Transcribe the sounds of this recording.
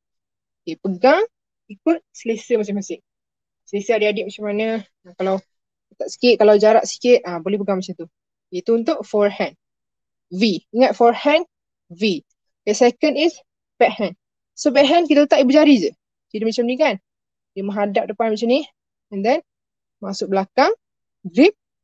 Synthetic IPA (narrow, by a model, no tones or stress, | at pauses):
okepəɡaŋ | ikʊt̪̚səlesəmas̬ɪmasɪŋ | səlesəaʔdiadɪʔ̚masamanə̃ | kalaw | t̪aʔsi̥kɪʔ̪̚kalawd͡ʒaɾaʔsi̥kɪt̪̚abolɛhpəɡaŋmat͡ʃamt̪u | jət̪uunt̪ʊʔfɔɹhɛ̃n | viiŋat̪̚fɔɹhɛ̃n | vi | dəsɛkə̃ndis | b̥ɛʔ̚hɛ̃n | sobɛʔ̚ɦɛnk̬it̪ələt̪aʔibəd͡ʒaɾid͡ʒə | kidəmat͡ʃamnĩkan | dəmə̃ɦadap̚dəpanmat͡ʃamni | ɛndɛn | masʊk̚bəlakaŋ | ɾip̚